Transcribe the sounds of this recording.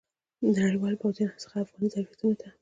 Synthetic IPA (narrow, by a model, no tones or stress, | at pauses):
d̪ənaɽijwɑlbazinhasə̥xaːfɣɑnizaɾbjat̪unot̪ʰa